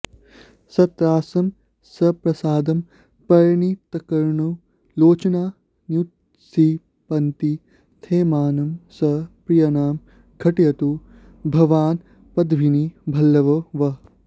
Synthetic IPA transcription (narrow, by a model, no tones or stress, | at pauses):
sɐt̪ɾaːsɐm | sɐpɾɐsaːd̪ɐm | pɐɾɐɳit̪ɐkɐɾɳu | loːt͡ʃɐnaː | njut̪ | si | pɐnt̪i | t̪ʰeːmaːnɐmsɐpɾijɐnaːm | kʰɐʈjɐt̪u | bʱɐʋaːn | pɐd̪ʋinibʱɐlːɐʋɐʋɐ